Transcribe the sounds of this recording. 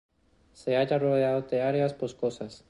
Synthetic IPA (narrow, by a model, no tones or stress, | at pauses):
seaʝaroðeaðot̪eaɾeasposkosas